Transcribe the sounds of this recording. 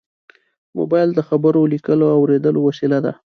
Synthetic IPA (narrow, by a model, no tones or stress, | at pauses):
mo̰bɑjld̪əxabəɾolikəloawɾed̪əlowasilad̪a̰